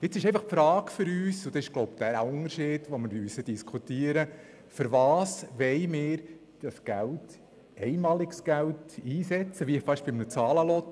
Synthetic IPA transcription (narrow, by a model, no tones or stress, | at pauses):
ɪt͡sːɪʃɛɪfɑχpfɾɑːkfʏɾyːsʊd̥̪ɑsɪʃɡ̥loʊpd̥̪æɾæʊŋəɾʃɪːd̥ʋoməɾmysəd̥iskʰut̪iəɾə | fɨɾvɑːsʋɛɪmɪːɾ | d̥ɑsɡ̥ælt | ɛɪmɑːlɪɡsɡ̥æltiːsɛt͡səʋiɪχfɑʃb̥ɪmnət͡sɑːləlɔt̪